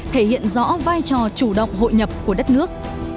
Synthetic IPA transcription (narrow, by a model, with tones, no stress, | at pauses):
t̪ʰe˧˩hḭ˧˨ənzɔ̰˧˥vaː˧jt͡ɕɔ˨˩t͡ɕu˧˩ɗə̰˧˨wŋ͡mɦo̰˧˨jɲə˨˩p̚ku˧˩əɗə˦˥t̚nɨ˦˥ək̚